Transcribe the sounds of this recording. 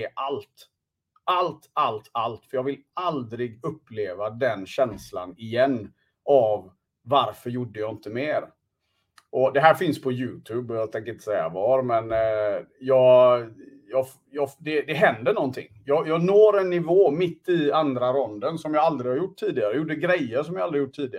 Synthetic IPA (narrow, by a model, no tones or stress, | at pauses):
ɛʔalt̪ | ʔalt̪alt̪alt̪fœɾjɑːɡvɪlald̪ɾɪɡɵpːleːvad̪ɛnɕɛnsla̰nɪjɛnː | ʔavː | aɾfœɾjʊɖːəjɑːɪnt̪əmeːɾ | ʔɔd̪ɛɦæːɾfɪnspʰɔjʉ̟ːt̪ʰʉːbɔjat̪ʰɛŋkəɾɪnt̪ːəsɛjːa̰vɑːɾmɛn | jɑːɡ | jɑː | jɑːd̪ɛd̪ɛɦɛnd̪əɳɔnt̪ʰɪ̰ŋːjɑjɑːɡnoːɾɛnːɪvoːmɪt̪ːɪand̪ɾaɾɔnd̪ənsɔmjɑːald̪ɾɪɡhaɾjʊʈʰːiːd̪ɪɡaɾəjjuːɖəɡɾɛjːəɾʂɔmjaːald̪ɾɪhjʊʈʰːiːd̪ɪaɾ